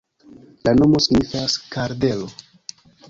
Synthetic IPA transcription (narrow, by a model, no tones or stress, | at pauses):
lano̞mo̞siɡnifaskaɾde̞lo̞